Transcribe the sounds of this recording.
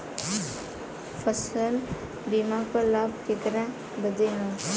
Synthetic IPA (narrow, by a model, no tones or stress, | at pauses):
fʰəsəl | biːmãkolaːb̚kekɾã | bəd̪eɦã